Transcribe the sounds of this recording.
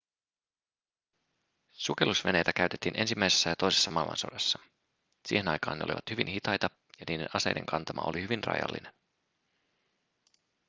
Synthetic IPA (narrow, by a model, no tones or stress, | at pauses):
sukelusʋe̞ne̞jt̪ækæyɥt̪et̪ːiːnʔe̞nsimːæjse̞sːæjɑt̪ojse̞sːɑmɑlmɑ̰nso̞̰dɑsːɑ | sḭːhe̞nɑjkɑ̰ːnːeolḭʋɑ̰t̪hyʋinhit̪ɑjt̪ɑ | jɑniːde̞nɑse̞jde̞̰ŋkʰɑnt̪ɑmɑ̰o̰lihyʋinrɑ̰jɑ̰lːḭnen